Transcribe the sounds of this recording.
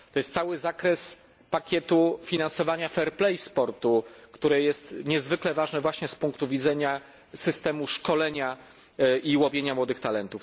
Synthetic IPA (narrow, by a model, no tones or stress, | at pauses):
t̪ɔjɛst̪sawɘzakɾɛs | pakʲɛt̪ufʲinansɔvaɲafɛɾplɛjspɔɾt̪ukt̪uɾɛjɛst̪ɲɛzvɘklɛvaʐnɛvwaɕɲɛspuŋkt̪uvʲidzɛɲa | sɘst̪ɛmuʂkɔlɛɲa | iwɔvʲjeɲamwɔd̪ɘxt̪alɛnt̪uf